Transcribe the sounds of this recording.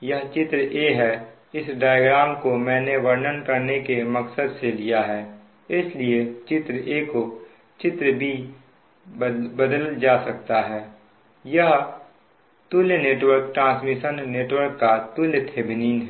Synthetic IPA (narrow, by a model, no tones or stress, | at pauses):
jɐɦt͡ʃɪt̪ɾəʔeːɦɛ | ɪsɖaːjɡɾaːmkomɛ̃ːneʋɐɾnənkɐɾnekemɐksəd̪selijaɦɛː | ɪsliet͡ʃɪt̪ɾeːko | t͡ʃɪt̪ɾəbʱi | bəd̪əld͡ʒaːsɐk̚t̪aɦɛː | jɐɦ | t̪ulneːʈwəɾk̚ʈɾãːsmiʃənːeːʈwəɾkːat̪ʊlt̪ʰeːbniːnɦɛ